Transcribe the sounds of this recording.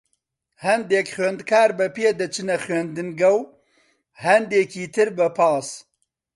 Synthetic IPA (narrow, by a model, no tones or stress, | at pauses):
hɐnd̪eːkxweːnd̪kʰaːɾbɨpʰeːd̪ɨt͡ʃʰɨnɐxɥend̪ɨnɡɐw | hɐnd̪eːkʰiːt̪ʰɨɾbɨpʰaːs